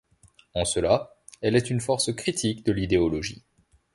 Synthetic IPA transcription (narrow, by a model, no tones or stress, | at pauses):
ɑ̃səla | ɛlɛt̪ynfɔʁskχit̪ʰikd̪əlid̪eɔlɔʒḭ